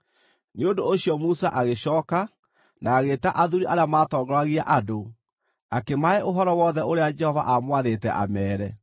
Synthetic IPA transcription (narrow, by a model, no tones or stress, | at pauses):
neondoːɕiɔmusaʔaɣeɕɔːka | naːɣeːtaʔaðuɾiʔaɾeamaːtɔːɡɔɾaɣiaʔado | akemaɛʔoɦɔɾɔwɔðɛoɾead͡ʒɛhɔva̰ʔamwaðeːtɛ̰ʔa̰mɛːɾɛ